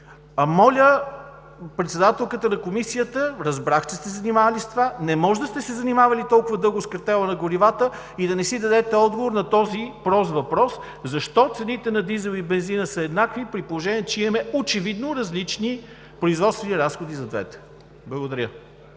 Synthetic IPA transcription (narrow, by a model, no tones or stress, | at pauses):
ɐmɔlʲə | pɾɛt̪sɛd̪at̪ɛlˠkət̪ənɐkomisijət̪əɾɐzbɾaxt͡ʃɛst̪ɛzɐnimavɐlist̪vanɛmɔʒd̪ɐst̪ɛsɛzɐnimavɐlit̪ɔlˠkʊvɐd̪ɤlˠɡoskəɾt̪ɛlˠənɐɡoɾivat̪ə | id̪ɐnɛsid̪ɐd̪ɛt̪ɛɔd̪ɡovoɾnɐt̪ɔzipɾɔzvɐpɾɔs | zɐʃt̪ɔt̪sɛnit̪ɛnɐd̪izɛlˠibɛnzinəsəɛd̪nakvipɾitpolˠoʒɛniɛt͡ʃɛimɐmɛot͡ʃɛvid̪noɾɐzlit͡ʃni | pɾoizvɔt̪t̪vɛniɾasxod̪izɐd̪vɛ̰t̪ɛ̥ | blˠɐɡod̪ɐɾʲə